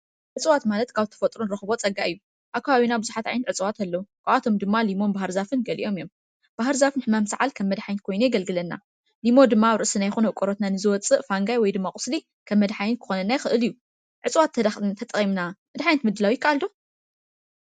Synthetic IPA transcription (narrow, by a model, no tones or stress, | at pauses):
ʕɨt͡sʼɨwat̪malɐt̪kʰaβt̪ʰɐ̥fɐt̪ʼɾunɨɾɐxɨβo̞t͡sʼɐɡːaʔɨjːu | ʔakʰːaβaβinabɨzuħat̪ʕajnɐt̪ʕɨt͡sʼɨwat̪ʰalːɐukʰʼɨʔat̪ʰo̞md̪ɨmːalimo̞nbahɨɾzafɨnɡɐlḭʔo̞mijo̞m | b̥aɦɨɾzafɨnħɨmamsʕalkʰɐmːɐd̪ħajnt̪kʰo̞jnujɛɡɐlɡɨlɐnːa̰ | limo̞d̪ɨmːaɾɨʔsɨnajxunuʔkʷʼoɾot̪nanɨzɨwɔt͡sʼɨʔfaŋɡajwɔjd̪ɨmːakʼʊ̥sli | kʰɐmːɐd̪ħajnt̪kʰɨ̥xo̞nɐnːajxɨʔɨlijːu | ʕɨt͡sʼwat̪ʰːɐd̪t̪ʰɐt̪ʼɐχʼimnamɨd̪ħajnt̪mɨd̪ːɨlawjɪkːaʔald̪o̞